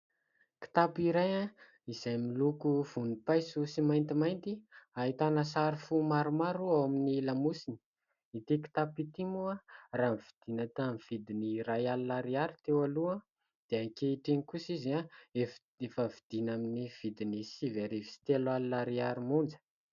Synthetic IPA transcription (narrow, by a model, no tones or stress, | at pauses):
ki̥t̪apiɾaja | izajmilukuv̥unipajsusimajnt̪imajnt̪iaɦit̪anəsaɾifumaɾumaɾuawaminilamusini̥ | it̪iki̥t̪apit̪imuaramvid̪̥inat̪amiv̥id̪iniɾajalunaɾiaɾit̪ewalua | d̪̥eakeiʈ͡ʂeŋikusiziae | efəvid̪̥inaminiv̥id̪inisiveɾivi̥si̥t̪elalunaɾiaɾimund͡zə̥